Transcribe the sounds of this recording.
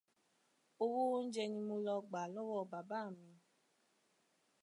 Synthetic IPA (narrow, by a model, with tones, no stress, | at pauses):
o˧wo˦n̩˦d͡ʒɛ˧nĩ˧mo˧lɔ˧ɡ͡ba˨lɔ˦wɔ˦˨ba˨ba˨˦˨mĩ˧